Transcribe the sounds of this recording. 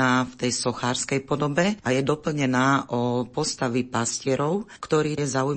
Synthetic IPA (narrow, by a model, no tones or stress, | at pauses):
aːft̪ɛjsɔxaːɾskɛjpɔd̪ɔbɛʔajɛd̪ɔpl̩ɲɛnaːʔɔpɔst̪aʋipascɪɛɾɔʊkt̪ɔɾiːjɛzauj